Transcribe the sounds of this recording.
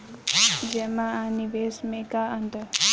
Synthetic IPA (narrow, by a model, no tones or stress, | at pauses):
d͡ʒɛmaaniʋeːsmekaənd̪ə